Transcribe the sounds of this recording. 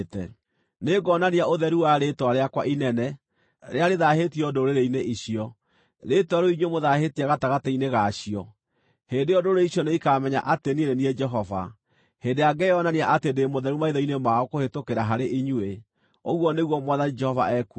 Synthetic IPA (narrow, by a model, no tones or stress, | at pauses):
tɛ | neɡɔnaniaoðɛɾuwaɾetwaɾeakwa̰ʔinɛnɛ | ɾeaɾeðahetiɔdoɾeɾeineʔiɕiɔ | ɾetaɾoiɲwemoðaɦetiaɣataɣataineɣaɕiɔ | heːndejɔdoɾeiɕɔneikamɛɲa̰ʔateninenied͡ʒɛɦɔva̰ | heːndeaɡɛɔnaniaʔatendemoðɛɾumaiðɔinemaɔkohetokeɾaɦaɾeʔiɲue | oɣwɔneɣwɔmwaðanid͡ʒɛhɔva̰ɛku